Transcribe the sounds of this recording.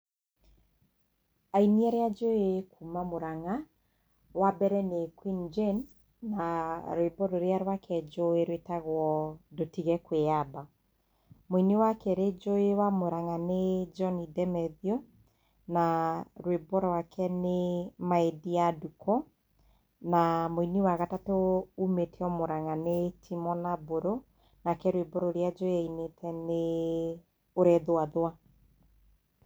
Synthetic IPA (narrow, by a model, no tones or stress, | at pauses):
ainiɛɾead͡ʒoekʰumamoɾaŋa | wabɛɾɛnekwind͡ʒɛnː | aɾwebɔɾoɾeaɾwakʰɛd͡ʒoeɾwetaɣwɔdotiɣɛkweaba | moinewakɛɾed͡ʒoewamoɾaŋaned͡ʒɔnidɛmɛðio | naɾwebɔɾɔwakʰɛnemaediadukʰɔ | namoiniwaɣatatoumeteɔmoɾaŋanetʰimɔnaboɾo | nakɛɾweboɾoɾjad͡ʒoeainetʰɛne | oɾɛðoaðoa